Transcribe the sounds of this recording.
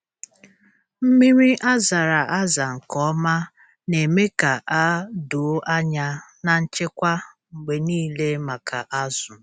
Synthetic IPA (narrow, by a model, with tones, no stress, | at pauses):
m̩˦mi˦ɾi˦ʔa˦za˨ɾa˨ʔa˦za˨ŋ̩˨kɔ˦ma˦ | ne˨me˦ka˨ʔa˦dʊ˨˦a˦ɲa˦ | na˨n̩˦t͡ʃɪ˦kʷa˦ | ŋ͡m̩˨ɡ͡be˨niː˦le˦ma˨kʰa˨ʔa˦zʊ˨